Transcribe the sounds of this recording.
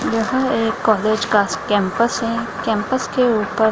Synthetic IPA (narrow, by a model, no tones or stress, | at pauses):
jɐɦə̃eːkːɔːleːd͡ʒkaːskɛ̃ːmpəsɦɛ̃kɛ̃ːmpəskeuːpəɾ